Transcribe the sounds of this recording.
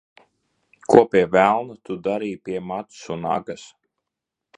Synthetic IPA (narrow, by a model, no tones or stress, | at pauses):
kuɔpʲiɛvælˠnut̪ud̪aɾiːpʲiɛmat̪suna̰ɡas